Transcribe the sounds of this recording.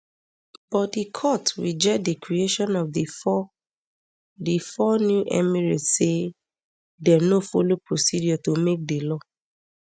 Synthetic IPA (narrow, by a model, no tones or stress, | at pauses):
b̥ɔt̚dikʰɔtwid͡ʒɛdekɹieʃɔ̃nɔfdifɔ | difɔnjuʔɛ̰miɹise | dɛnofolopɹosidjɔtomek̚delɔ